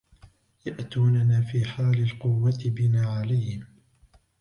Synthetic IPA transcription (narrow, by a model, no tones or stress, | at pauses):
jaʔt̪uːnanaːfiːħaːlɪlqʊwːat̪ɪbɪnaːʕalajhɪm